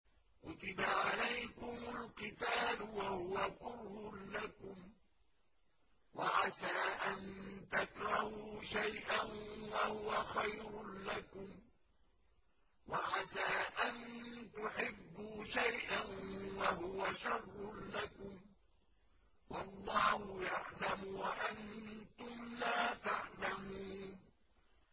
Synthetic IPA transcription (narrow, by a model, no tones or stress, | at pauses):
kʊt̪ɪbaʕalajkʊmʊlqɨt̪aːlʊwahʊwakʊrhʊlakʊm | waʕasaːʔant̪akɾˤɑhuːʃajʔanwahʊwaxajɾʊlakʊm | waʕasaːʔant̪ʊħɪbːuʃajʔanwaɦʊwaʃɑrːʊlakʊm | wɑlˤːɑːhʊjaʕlamʊwaʔant̪ʊmlaːt̪aʕlamuːnn